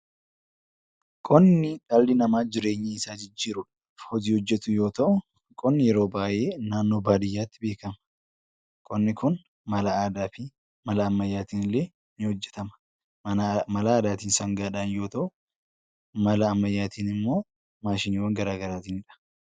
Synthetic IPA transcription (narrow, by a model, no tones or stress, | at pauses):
kʼɔnːɪᶑɐlːɪnɐmaːd͡ʒɪɾe̞ːɲːɪɪsaːd͡ʒɪd͡ʒːiːɾʊᶑɐ̥ | hɔd͡ʒiːhɔd͡ʒːɛt̪ʊjo̞ːt̪ɐʔʊ | kʼɔnːɪjɛɾo̞ːbaːʔe̞ːnaːnːo̞ːbaːd̪ɪjːaːt̪ːɪbe̞ːkɐmɐ̥ | kʼɔnːɪkʊn | mɐlɐːd̪aːfi | mɐlɐːmːɐjːaːt̪iːnɪlːeː | nɪhɔd͡ʒːɛ̥t̪ɐmɐ̥ | mɐlaːd̪aːt̪iːnsɐŋɡaːᶑaːnjo̞ːt̪ɐʔʊ | mɐlɐːmːɐjːaːt̪iːnɪmːo̞ː | maːʃɪnɪwoŋɡɐɾaːɡɐɾaːt̪iːnɪᶑɐ̥